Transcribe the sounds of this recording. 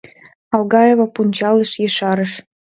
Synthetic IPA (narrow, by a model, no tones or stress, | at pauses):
ɑlɣɑjeβopunʲt͡ɕɑləʃjeʃɑɾəʃ